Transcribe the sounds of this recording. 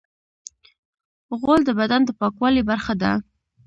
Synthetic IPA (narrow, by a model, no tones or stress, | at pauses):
ɣold̪əbad̪and̪əpɑkwɑlibaɾxad̪a̰